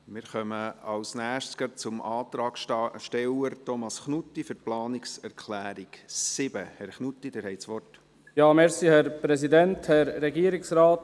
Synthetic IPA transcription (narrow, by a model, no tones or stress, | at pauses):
mɪɾχœməɑlsnæːʃskət͡sʊmɑːt̪ɾɑːɡʃtɛwəɾtɔmɑsχnutːifʏɾplɑːnɪksɛɾkʰlæːɾiksɪb̥əhɛɾχnut̪ːid̥ɛːɾhɛɪtsʋɔrt | jɑːmɛɾsihɛɾpɾɛs̬idɛnthɛɾːɛɡiːəɾɪksɾɑːt